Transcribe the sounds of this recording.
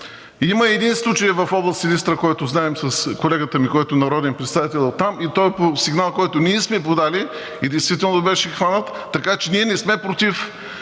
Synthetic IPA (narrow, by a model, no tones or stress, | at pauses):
iməɛd̪inslˠut͡ʃəjvɐfɔblˠəsilist̪ɾəkɔjt̪ʊznaɛmsəskolɛɡət̪əmikɔjt̪ʊnɐɾɔd̪ɛnpɾɛt̪st̪avit̪ɛlˠot̪ːamit̪ɔjposiɡnalˠkɔjt̪ʊniɛsmɛpod̪ali | id̪ɛjst̪vit̪ɛlˠnobɛʃɛxvanət̪ːɐkat͡ʃɛniɛnɛsmɛpɾot̪if